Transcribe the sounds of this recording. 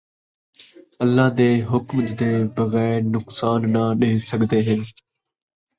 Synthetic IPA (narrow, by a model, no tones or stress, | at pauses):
əlːaːd̪eːɦʊkmd̪eːbəɣɛːɪɾnʊksaːnːaɗeesəɡʱd̪eːɦɪn